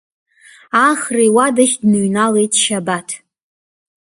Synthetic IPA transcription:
aχrijwadaχʲdnɨɥnalejtʼʃabatʰ

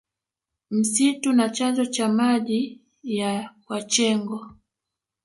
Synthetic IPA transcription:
m̩situnat͡ʃand͡ʒɔt͡ʃamaʄi | jawat͡ʃɛŋɡɔ

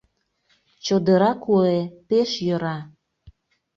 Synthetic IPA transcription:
t͡ɕod̪əɾɑkuepeʃjəɾɑ

